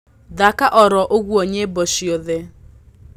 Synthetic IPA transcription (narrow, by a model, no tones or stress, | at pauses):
dakaʔɔɾɔʔoɣuoɲeboʃioðe